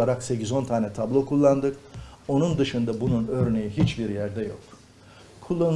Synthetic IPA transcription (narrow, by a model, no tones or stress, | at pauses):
aɾakse̞cizo̞nt̪ʰaːnɛt̪ʰablˠo̞kʰulˠːand̪ɯko̞nund̪ɯʃɯnd̪abununø̞ɾne̞jiɦit͡ʃbiɾjæɾd̪ɛjok | kʰulˠːan